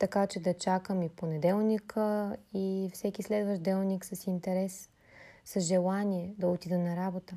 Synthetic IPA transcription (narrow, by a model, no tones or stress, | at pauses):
t̪ɐkat͡ʃɛd̪ɐt͡ʃakəmiponɛd̪ɛlˠnikəifsɛkislɛd̪vəʒd̪ɛlˠniksɐsint̪ɛɾɛsː | ɐsʒɛlˠaniɛd̪ɐot̪id̪ɛnɐɾabot̪ə